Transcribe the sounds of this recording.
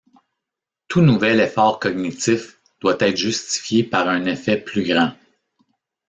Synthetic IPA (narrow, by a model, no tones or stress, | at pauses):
t̪unuvɛlefɑːʁkɔɡ̚nit̪ɪf | d̪̥wat̪ɛt̪χʒyst̪i̥fjepaʁɛ̃nefɛplyɡʁɑ̃